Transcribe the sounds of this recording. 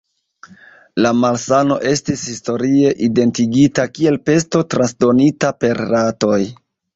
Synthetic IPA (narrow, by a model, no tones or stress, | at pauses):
lamalsano̞̰ʔe̞stishisto̞ɾie̞ʔide̞ntiɡitakie̞lpe̞sto̞tɾansdo̞nitape̞ɾːato̞j